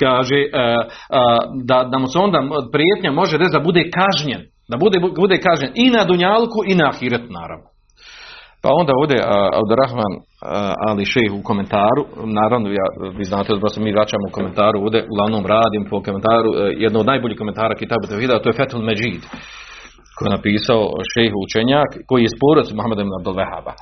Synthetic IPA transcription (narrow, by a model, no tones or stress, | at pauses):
kaːʒeʔ | d̪anamoseo̞nd̪aːpɾjeːt̪ɲamo̞ʒed̪esd̪abud̪eːkaʒɲen | d̪abud̪ebud̪eːkaʒɲeninad̪uɲaːlkuinaːxiːɾat̪una̰ːɾa̰ʋno | pa̰o̞nd̪aːoːʋd̪ʲeʔa̰b̚d̪uɾaxmaːn | a̰liʃejxuko̞me̞nt̪aːɾunaːɾaʋnojaːʋiːznaːt̪easemiːʋɾat͡ɕaːmouko̞me̞nt̪aːɾuoːvd̪ʲeʔuɡlˠaʋnoːmɾaːd̪iːmpokoment̪aːɾṵjɛd̪nod̪naːjboʎiːhkoment̪aːɾaːkit̪aːbut̪efiːd̪aːt̪oːjefɛt̪holmed͡ʒiːd̪ | kojenapiːsaoʃejxut͡ʃeɲaːkkːo̞jijespoːɾot̪smuhamad̪ebnabd̪ulʋɛha̰ːba̰